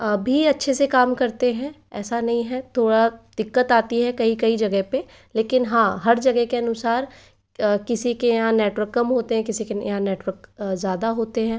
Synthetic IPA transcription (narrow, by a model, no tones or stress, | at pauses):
əbʱiɐtːʃʰesekaːmkɐɾt̪eɦɛ̃ː | ɛ̰ːsanɐɦĩɦɛt̪ʰoːɽad̪̥ɪkːət̪aːt̪iɦɛkɐikɐid͡ʒɐɡəɦpe | leːkɪnɦãːɦɐɾd͡ʒɐɡɛɦkeɐnʊsaːɾ | kɪsikejɐɦãneːʈʋəɾkːɐmɦoːt̪eɦɛ̃kɪsikejɦãneːʈwəɾkzjaːd̪aɦoːt̪eɦɛ̃ː